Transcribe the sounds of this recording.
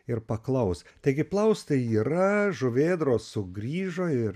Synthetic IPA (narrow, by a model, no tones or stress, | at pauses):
ɪrpɐklˠɐʊst̪ɐɪɡʲɪplˠɐʊst̪ɐiːɾɐʒʊʋʲeːd̪ɾoːsʊɡɾʲiːʒoɪɾ